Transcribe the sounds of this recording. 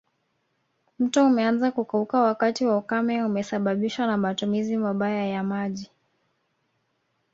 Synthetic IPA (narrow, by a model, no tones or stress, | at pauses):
m̩tɔumɛanzakukaukawakatiwaukamɛumɛsaɓaɓiʃwanamatumizimaɓajajamaʄi